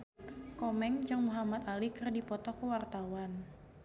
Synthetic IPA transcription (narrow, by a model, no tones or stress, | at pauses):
kɔmɛŋd͡ʒɨŋmuɦamat̪alikərdipɔt̪ɔkəwart̪awan